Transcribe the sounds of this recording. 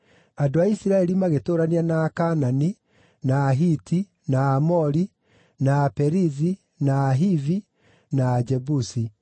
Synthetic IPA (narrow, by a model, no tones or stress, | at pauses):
adoaisiɾaɛɾimaɣetoːɾanianaːkanani | naːɦiti | naːmɔɾi | naːpɛɾizi | naːɦivi | naːd͡ʒɛbusi